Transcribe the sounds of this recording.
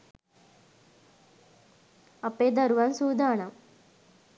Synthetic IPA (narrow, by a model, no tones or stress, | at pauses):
ɐpːeːd̪ɐɾuʋɐnsuːd̪aːɳɐm